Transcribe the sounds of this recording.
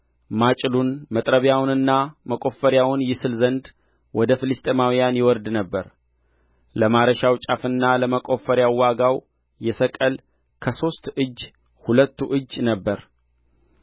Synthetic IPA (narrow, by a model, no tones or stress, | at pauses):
mat͡ʃʼlunmət̪ʼɾəβjawnɨnːaməkʼo̞fəɾjawʊnjɪsɨlzənd̪ | wɔd̪əfɨlɨst̪ʼemawijanjɛwɔɾd̪nəbːəɾ | ləmaɾəʃawt͡ʃʼafɨnːaləməkʼo̞fːəɾjawaɡaw | jɛsəkʼəl | kʰəso̞st̪ɨd͡ʒː | hulət̪ʰːuʔɨd͡ʒːnəbːəɾ